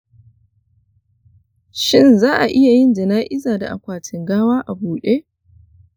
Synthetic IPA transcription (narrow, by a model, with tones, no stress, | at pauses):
ʃɪ˦nzaː˦ʔa˨ʔɪ˦ja˨jɪ˦nd͡ʒɪ˨naː˦ʔɪ˦zaː˨da̰˨ʔa̰˨kʷaː˨tɪ˨ŋɡaː˦waː˦ʔa˨buː˨ɗeː˦